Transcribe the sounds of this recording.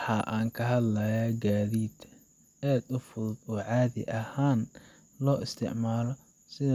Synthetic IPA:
ħɑʔaːŋkʰɐɦɐd̪lɐjaːɡaːðiːd̪ | aːd̪ʊfʊðʊd̪ɔːʕɑːðɪ̰ʔɐhaːn | lɔːɪst̪ʰɪ̰ʕmaːlɔ | sɪð

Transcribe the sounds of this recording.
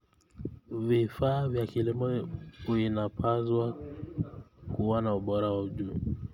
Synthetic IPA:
vifaːvjakilimɔuinapʰazwa | kuwanauɓɔɾawauʄu

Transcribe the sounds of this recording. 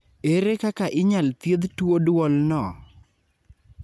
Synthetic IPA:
eɾekakaʔɪɲalt̪jed̪todwɔlnɔ

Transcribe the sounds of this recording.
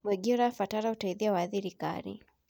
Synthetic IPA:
mwɛɡiɾafataɾautaiðiawaðiɾika̰ɾḭ

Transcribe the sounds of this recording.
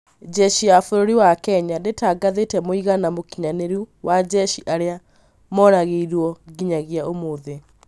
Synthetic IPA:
d͡ʒɛʃiafoɾoɾiwakɛɲadetaɡaðetɛmoiɣanamokiɲaneɾuwad͡ʑɛʃiʔaɾea | mɔɾaɣeiɾwɔɡiɲaɣiaomoːðe

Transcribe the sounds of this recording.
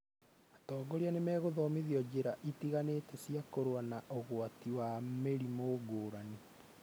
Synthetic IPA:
atɔːɡoɾeanemɛːɣoðɔmiðiɔd͡ʑeɾaʔitiɣaneːtɛsiakoɾowanaʔoɣwatiwameɾimoɡoːɾani

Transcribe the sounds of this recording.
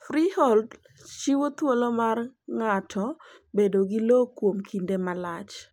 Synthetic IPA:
fɾihɔld | t͡ʃiwot̪wolomarŋatʰɔ | bedoɡɪlokwomkʰindemalat͡ʃ

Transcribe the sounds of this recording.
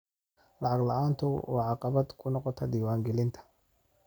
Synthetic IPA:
lɑʕɑɡlɑʔaːnt̪ʰʊwɑ̰ːʕɑqɑβɐd̪kʰʊnɔqɔt̪ʰɐd̪iːwaːŋɡɛlɪnt̪ʰɐ̥

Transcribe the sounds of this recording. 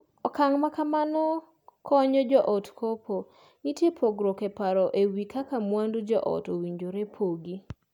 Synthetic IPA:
ɔkaŋmakamanɔ | kʰɔɲɔd͡ʒɔʔɔtkʰopʰo | ŋitjepʰoɡɾɔkepaɾɔʔewikakamwandud͡ʒɔʔɔ̰towiɲd͡ʒoɾepʰoɡi

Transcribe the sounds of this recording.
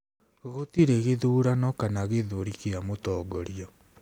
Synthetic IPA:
ɣotiɾeɣeðuːɾanɔkanaɣeðoɾikeamotɔːɡɔɾiɔ

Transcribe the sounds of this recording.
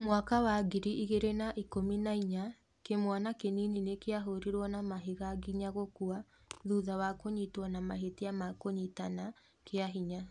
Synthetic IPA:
mwakawaɡiɾiʔiɣeɾenaʔikominaiɲa | kemwanakenininekeaɦoɾiɾwɔnamaɦeɣaɡiɲaɣokua | ðuðawakoɲitwanamaɦetiamakoɲitana | keaɦiɲa

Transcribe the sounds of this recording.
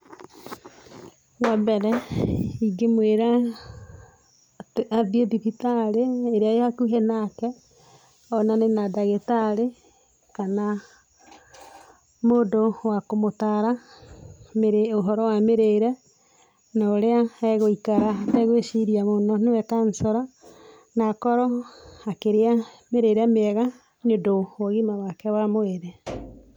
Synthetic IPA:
wɛmbɛɾɛiɡemweɾa | ðiedipitaɾeːɾeajakuɦenakɛ | ɔnanenadaɣetaɾe | kana | modowakomotaɾa | meɾeoɦɔɾɔwameɾeɾɛ | naoɾeaɛɣoikaɾatɛɣwesiɾiamonɔnewɛkansɔɾa | naːkɔɾɔakeɾeameɾeɾɛmeɛɣa | ɲodowɔɣimawakɛwamoeɾe

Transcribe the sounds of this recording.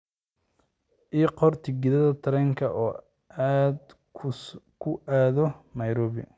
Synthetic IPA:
ʔiːqɔrt̪ʰɪɡɪðɐðɐt̪ʰɐɾɛŋkʰɐʔɔː | aːd̪ʰ | kʰʊʔaːðɔnɐjɾɔːβɪ̰

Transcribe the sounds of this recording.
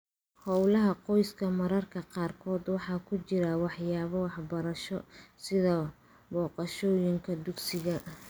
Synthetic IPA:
hɔwlɐɦɐqɔjskʰɐmɐɾɐrkʰɐqɑːrkʰɔːd̪wɑħɑːkʰʊt͡ʃɪɾɐwɑħjaːβɐwɑħbɐɾɐʃɔsɪðɐ | bɔːqɑʃɔːjɪŋkʰɐd̪ʊɡsɪɣɐ

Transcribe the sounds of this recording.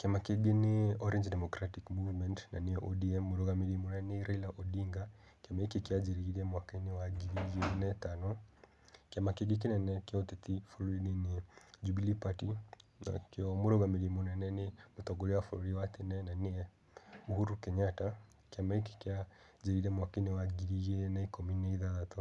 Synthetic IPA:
kɛmakiɡinɪɔɾɛnd͡ʒdɛmɔkɾatikmuvmɛntna̰niɛʔɔdiɛmuɾɔɡamidimunɛniɾailaʔɔdiŋɡa | kɛmaikikɛad͡ʒiɾiiɾiɛmwakainɛwaɡiid͡ʒinɛtanɔ | kɛmakiɡik̬inɛnɛkɛɔt̪ɛt̪ifɔlɔinɛnid͡ʒubilipatina̰keɔmuɾɔɣamiɾimɔnɛnɛnemutɔɡɔlɛwafulɔɾiwat̪ɛnɛnaniɛ | uhuɾukɛɲata | keamaike̥ka | d͡ʒiɾiɾɛmwakeniwaɡiɾijɛnɛikɔminɛiðaðat̪ɔ

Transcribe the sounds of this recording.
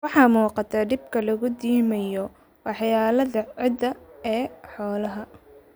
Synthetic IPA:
wɑħɑːmuːqɑt̪ʰɐɖɪb̚kʰɐlɐɣʊd̪iːmɐjɔ | wɑħjaːlɐðɐʕɪd̪ɐɛːħɔːlɐɦɐ

